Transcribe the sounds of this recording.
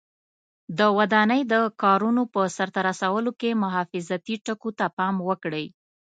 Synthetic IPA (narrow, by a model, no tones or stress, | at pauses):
d̪əwad̪ɑnəjd̪əkɑɾunopəsaɾt̪aɾasawəlokemʊɦɑfɪzat̪iʈəkot̪apɑmwəkɽəj